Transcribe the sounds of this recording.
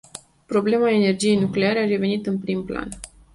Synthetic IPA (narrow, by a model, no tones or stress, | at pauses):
pɾo̞ble̞mae̞ne̞rd͡ʒije̞jnukle̞aɾe̞aɾe̞ve̞nit̪ɨnpɾimpla̰n